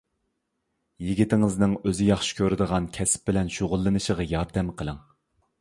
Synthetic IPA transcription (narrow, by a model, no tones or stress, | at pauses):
jiɡʲit̪ʰɪŋɨznɨŋøzɪjɑχʃɪ̥kʲʰøɾɪd̪əʁɑnkʲʰɛsɪ̥p̚bɪlɛnʃoʁʊlˠːɨnɨʃəʁɑjɑɾd̪ɛmqʰəlˠɨŋ